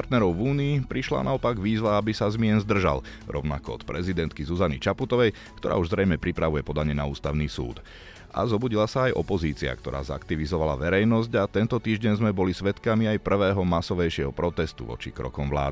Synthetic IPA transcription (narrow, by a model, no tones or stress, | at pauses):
paɾt̪nɛɾɔʊvuːniːpɾiʃla̰naɔpaɡʋiːzʋaabisazmɪɛnzd̪r̩ʒa̰lɾɔ̰ʊna̰kɔɔ̰t̪pɾɛzid̪ɛnt̪kizuzanḭt͡ʃaput̪ɔʋɛj | kkt̪ɔɾa̰ːuʒzɾɛjmɛpɾipɾaʋujɛpɔd̪aɲɛnauːst̪aʊniːsṵːt̪ | ʔa̰zɔbuɟilasaːjʔɔ̰pɔziːt͡sia̰kt̪ɔɾa̰ːza̰kt̪iʋizɔʋala̰ʋɛɾɛjnɔzɟat̪ɛnt̪ɔt̪iːʒɟɛɲzmɛbɔlisʋɛt̪kamiajpr̩ʋɛːɦɔmasɔʋɛjʃɪɛɦɔpɾɔt̪ɛst̪ṵʋɔ̰t͡ʃḭkɾɔ̰kɔmʋla̰ːd̪i